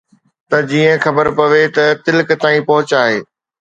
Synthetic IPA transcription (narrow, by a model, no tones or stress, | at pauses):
t̪ɐd͡ʑiːə̃xɐbəɾpɐʋet̪ɐt̪ɪlkt̪aːĩpɐɦʊt͡ɕaːɦeː